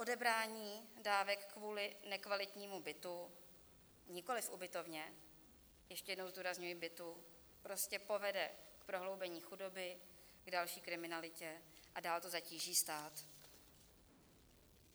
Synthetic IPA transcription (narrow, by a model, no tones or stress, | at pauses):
ʔo̞dɛbɾaːɲiːdaːvɛkːvuːlɪnɛkvalɪt̪ɲiːmubɪt̪u | ɲɪko̞lɪfʔubɪt̪o̞vɲɛ | jɛʃcɛjɛdnowzduːɾazɲujibɪt̪u | pɾo̞scɛpo̞vɛdɛkpɾo̞ɦlo̞wbɛɲiːxudo̞bɪ | ɡdalʃiːkɾɪmɪnalɪcɛʔadaːlt̪ozaciːʒiːst̪aːt̪